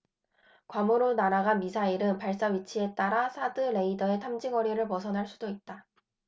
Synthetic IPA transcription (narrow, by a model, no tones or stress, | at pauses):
kwamuɾonaɾaɡanmisʰaiɾɯnpaɭs͈aɥit͡ɕʰie̞t͈aɾasʰadɯɾe̞idʌe̞tʰamd͡ʑiŋwʌɾiɾɯɭpʌsʰʌnɦaɭs͈udoit̚t͈a